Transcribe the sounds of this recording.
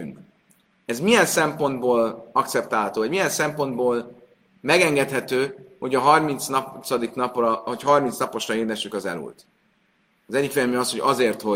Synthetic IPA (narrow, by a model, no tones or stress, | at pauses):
yŋk | ɛzmijɛnsɛmpo̞nd̪boːlɒk̚t̪sɛp̚t̪aːlɦɒt̪oːvɒɟmijɛnsɛmpo̞nd̪boːl | mɛɡɛŋɡɛt̪hɛt̪øːho̞ɟɒɦɒrmint̪snt̪sɒd̪iknɒprɒhochɦɒrmint̪snɒpo̞ʃrɒeːrd̪ɛʃykɒzɛ̰lṵlt̪ | ɒzɛɟːikfejɛlmenɒsho̞ɟɒzeːrt̪ho